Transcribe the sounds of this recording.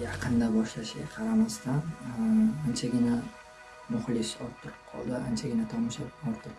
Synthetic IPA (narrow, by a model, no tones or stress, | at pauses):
jɑqʰɨnd̪abɒʃlaʃɪɡʲaqʰɑɾamast̪ʰan | ant͡ʃʰaɡʲɪna | nʊχlˠɪʃɒɾt̪ʰːʊɾɪp̚qʰɒ̰lˠd̪ɪant͡ʃʰaɡʲɪnat̪ʰɒmɪʃapɒɾt̪ʰɨq